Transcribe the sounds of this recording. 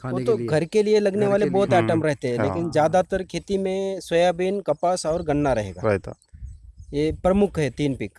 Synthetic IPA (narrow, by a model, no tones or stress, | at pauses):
ʋot̪oɡʱɐɾkelielɐɡneʋaːlebɔːt̪ɛːʈəmɾɛɦt̪eɦɛ̃leːkɪnd͡ʒjaːd̪at̪əɾkʰeːt̪imẽswɐjabinkɐpəsɔːɾɡɐnːaɾɐɦḛːɡa̰ | jepɾɐmʊkʰɦɛt̪iːnpɪk